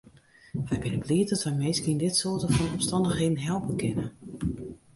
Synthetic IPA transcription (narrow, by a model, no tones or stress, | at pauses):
ʋɛjbɪnəbliətdɔtʋɛjmejskindɪtsoətəfɔnɔmstɑndəxedn̩ɦɛlˠpəkʰɪnə